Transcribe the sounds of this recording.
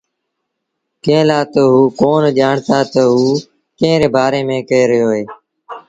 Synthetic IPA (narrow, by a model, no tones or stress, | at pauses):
kẽːlaːt̪əɦuːkoːnʄaːɳt̪aːt̪əɦuː | kẽːɾeːbaːɾeːmẽːkəeːɾəjoːɦeː